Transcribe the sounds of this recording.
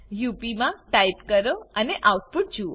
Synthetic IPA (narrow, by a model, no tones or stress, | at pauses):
jupimãʈaipkəɾoəneʔauʈ̚puʈ̚d͡ʒuo